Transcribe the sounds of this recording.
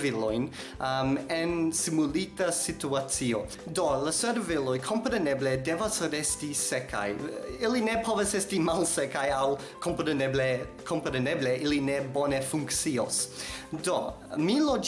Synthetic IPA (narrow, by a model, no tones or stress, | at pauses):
vilojn | amensimulitɐsituat͡sio | doləsɛɾvelojkʰompɾenebledevasoɾestisekʰa̰jilinepʰovesɛstimalsekajaw | kʰompɾeneble | kʰompɾenebleʔilinebonefuŋkt͡siosdo | milod͡ʒ